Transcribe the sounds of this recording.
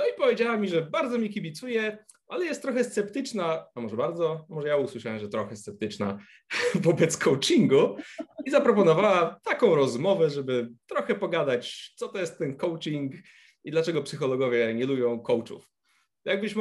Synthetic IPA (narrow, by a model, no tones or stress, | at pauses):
nɔipɔvʲjed͡ʑawamʲiʐɛbaɾd̪zɔmʲikʲibʲit̪sujɛ | ʔalɛjɛst̪t̪ːɾɔxɛst̪sɛpt̪ɘt͡ʂnaamɔʐɛbaɾd̪zɔmɔʐɛjauswɘʂawɛmʐɛt̪ɾɔxɛst̪sɛp̚t̪ɘt͡ʂna̰ | vɔbɛt̪skʰɔwt͡ʂiŋɡuizapɾɔpɔnɔvawat̪akɔ̃w̃ɾɔzmɔvɛʐɛbɘt̪ɾɔxɛpɔɡad̪at͡ɕt̪sɔt̪ɔjɛst̪ːɛnkɔwt͡ʂiŋk | id̪lat͡ʂɛɡɔpsɘxɔlɔɡɔvʲjɛɲɛlubʲjɔ̃w̃kɔwt͡ʂṵf | jaɡ̚bɘɕm